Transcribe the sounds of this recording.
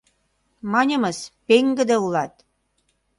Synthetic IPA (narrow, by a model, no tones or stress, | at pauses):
mɑnʲə̆məspeŋɡə̆d̪eulɑt̪̚